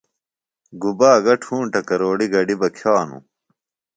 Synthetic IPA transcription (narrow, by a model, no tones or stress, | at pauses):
ɡubaːɡɐʈʰuːɳʈɐkɐɾoːɖiɡɐɖibɐkʰjaːnṵ